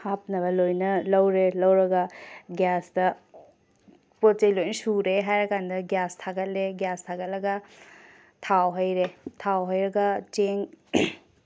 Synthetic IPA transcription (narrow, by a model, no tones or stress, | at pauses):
hap̚nɐbɐlojnɐlɐwɾelɐwɾɐɡɐɡjasdɐ | pot̚t͡ʃejlojnɐsuɾeɦajɾɐkandɐɡjastʰaɡɐt̚leɡjastʰaɡɐt̚lɐɡɐ | tʰawɦɐjɾetʰawɦɐjɾɐɡɐt͡ʃeŋ